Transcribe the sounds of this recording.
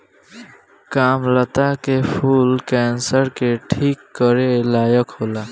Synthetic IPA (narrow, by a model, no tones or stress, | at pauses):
kaːmlət̪akepʰuːlkɛːnsəɾkeʈʰiːkːəɾelaːjəkoːlaː